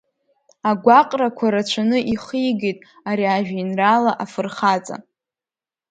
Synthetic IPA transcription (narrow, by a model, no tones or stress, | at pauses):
aɡʷaqʼrakʷʰaɾat͡ɕʷʰanɨʔiχijɡejtʼ | aɾiaʒᶣainralaʔafɨrχat͡sʼa̰